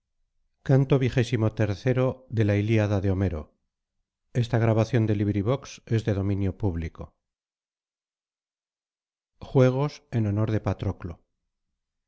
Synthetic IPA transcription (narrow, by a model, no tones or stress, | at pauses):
kant̪o̞βiχe̞simo̞t̪e̞ɾθe̞ɾo̞ðe̞lailiaðaðeo̞me̞ɾo̞̰ | e̞st̪aɣ̞ɾaβaθjo̞nd̪e̞liβɾiβ̞o̞kse̞zðe̞ðo̞mĩnjo̞puβliko | xwe̞ɣ̞o̞se̞no̞no̞ɾð̞e̞pat̪ɾo̞klo̰